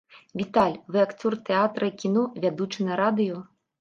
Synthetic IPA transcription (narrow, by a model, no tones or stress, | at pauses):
vʲit̪alʲvɨakt̪surt̪ɛat̪ɾɐikʲinɔvʲad̪ut͡ʂɨnɐɾad̪ɨju